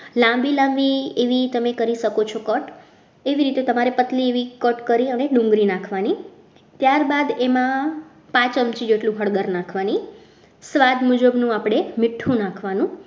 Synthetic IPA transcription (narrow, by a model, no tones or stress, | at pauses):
lãmbilãmbieʋit̪əmekəɾiʃəkot͡ʃʰokəʈ | eʋiɾit̪et̪əmaɾepət̪lieʋikəʈkəɾiəneɖũŋɡɾinakʰʋani | t̪jaɾbad̪emã | pãt͡ʃəmt͡ʃid͡ʒeʈlũɦəɽɡəɾnakʰʋani | sʋad̪mud͡ʒəbnũapɽ̃emɪʈʰːũnãkʰʋanũ